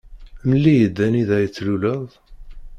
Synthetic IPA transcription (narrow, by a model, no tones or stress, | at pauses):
məlːijəd̪ːæniðæjət͡sːluləðˤ